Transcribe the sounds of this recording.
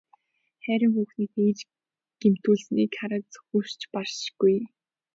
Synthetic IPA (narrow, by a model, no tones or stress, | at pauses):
χæɾʲɪ̆ŋxuːxniːt̪eːt͡ɕ | ɡ̥em̥t̪uːɮsniːkʰaɾə̆t͡sxur̥t͡ɕpar̥ʃɡ̥uj